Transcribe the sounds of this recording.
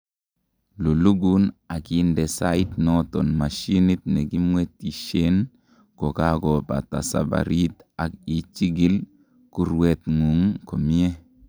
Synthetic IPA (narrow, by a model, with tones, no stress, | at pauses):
lo˨lu˦ɡu˦na˨ki˨nde˨sa˦i˦t̪nɔ˦tɔ˨nma˨ʃi˦ni˦t̚nɛ˨ɡi˦mwe˦t̪i˨ʃe˦n | ko˨ka˦ɡɔ˨ba̰˨ta̰˨sa̰˨ba̰˨ɾi˦t̪a˨ki˨t͡ʃi˦ɡi˦l | ku˦ɾwe˨t̪ŋu˨ŋko˨mi˦e˦